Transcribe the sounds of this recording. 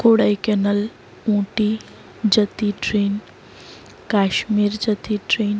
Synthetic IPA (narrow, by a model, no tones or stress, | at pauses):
koːɽajkenəl | ũːʈi | d͡ʒət̪iʈɾeːn | kaːʃmiːɾd͡ʒət̪iʈɾeːn